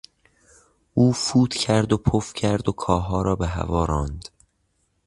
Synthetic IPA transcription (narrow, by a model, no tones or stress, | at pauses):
ʔuːfuːt̪cʰæɾd̪opʰofcʰæɾd̪okʰɒːɦɒːɾɒːbeɦæ̰vɒːɾɒːnd̪̥